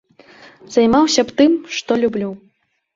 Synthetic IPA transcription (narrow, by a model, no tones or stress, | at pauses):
z̥ajmawsʲɐpt̪ɨmʂt̪ɔlʲublʲuw